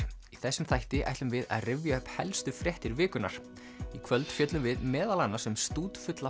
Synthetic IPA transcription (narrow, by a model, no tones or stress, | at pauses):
iθɛsːʏmθajht̪ɪʔa̰jht̪lʏmvɪða̰ðrɪvjaœhphɛ̰lst̪ʏfɾjɛht̪ɪɾvɪːkʏna̰ɾ̥ | ikʰvœlt̪fjɛt̪lʏmvɪðmɛːðalanːḁsɛmst̪uːt̪fʏt̪la